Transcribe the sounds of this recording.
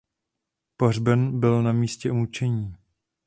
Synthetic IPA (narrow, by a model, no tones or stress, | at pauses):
porbɛnbɪlnamiːscɛmut͡ʃɛɲiː